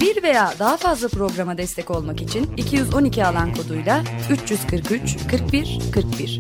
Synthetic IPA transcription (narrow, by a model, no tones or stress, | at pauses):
biɾve̞jaːd̪aɦafazlˠapɾo̞ɡɾamad̪ɛst̪ʰɛco̞lˠmakit͡ʃʰinicʰijyzo̞nicʰialˠankʰo̞d̪ujlˠayt͡ʃjyz̥kʰɯɾkyt͡ʃkʰɯɾk̚biɾ̥kʰɯɾk̚biɾ̥